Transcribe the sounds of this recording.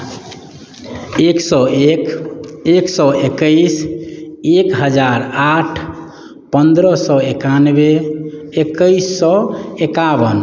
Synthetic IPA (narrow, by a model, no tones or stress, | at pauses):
eksɔkeksɔʔekəis | ekɦəd͡ʒaɾaʈʰ | pənd̪ɾəsɔekanbeː | kəisːɔekaβən